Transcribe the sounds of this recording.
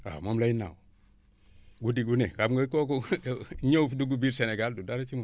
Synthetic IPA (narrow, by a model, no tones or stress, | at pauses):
a̰mamlaina̰w | ɡudiɡunekamɡokokoɲoduɡubiɾseneɡaldudaɾet͡ʃimu